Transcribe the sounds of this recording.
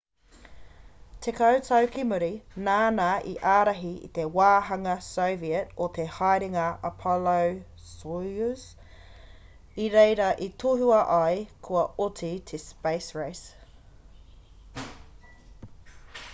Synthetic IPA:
tʰekɐwtʰɐwkimʊɾinaːnaʔḭʔaːɾɐɦiḭt̪ewaːɦɐŋɐsoʊviətot̪ʰehɑjɾɪŋɐɐpʰɔlow | souz | iɾejɾɐʔitʰuhuɐʔajkʰuɐotʰit̪ʰespeɪsɹejs

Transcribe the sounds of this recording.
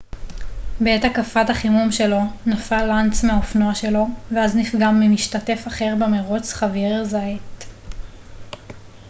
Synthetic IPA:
beetakafataχimumʃe̞lo̞nafalːant͡smeaofnoaʃe̞lo̞veaznifɡamːimiʃtate̞faχe̞ʁbemeʁot͡sχaviʁzaet

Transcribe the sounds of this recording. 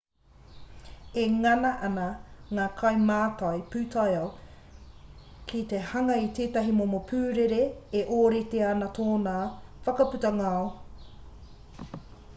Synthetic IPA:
eŋɐnɐʔɐnɐŋaːkʰɐjmaːtɐjpʉːtʰɐjɐw | kʰit̪ehɐŋɐitʰeːtɐɦimomopʰʉːɾeɾeːʔoːɾeteanɐt̪ʰoːnaːfɐkɐpʉtɐŋao

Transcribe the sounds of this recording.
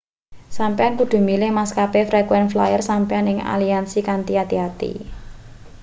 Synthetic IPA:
sampeankud̪̥ṳmilɪhmaskapefɾɛkwɛnfla̰jərsampeanɪŋa̰liansikant̪iat̪iat̪ḭ

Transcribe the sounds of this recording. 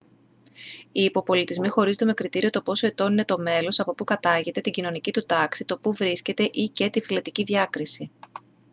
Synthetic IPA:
iːpo̞po̞lit̪izmixo̞ɾizot̪eme̞kɾit̪iɾio̞t̪o̞po̞so̞e̞t̪o̞nine̞t̪o̞me̞lo̞sɐpo̞pukɐt̪ɐʝe̞t̪e̞t̪iɟino̞nicit̪ut̪ɐksit̪o̞puvɾisce̞t̪e̞ʔice̞t̪ifilɐt̪iciðʝɐkɾisi

